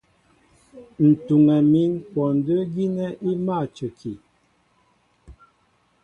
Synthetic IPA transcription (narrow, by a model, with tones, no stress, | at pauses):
n̩˨tu˨ŋɛ˨mi˦ŋkwɔ˨n˨də˦ɡi˦nɛ˦ʔi˦ma˦˨t͡ʃə˨kʰi˨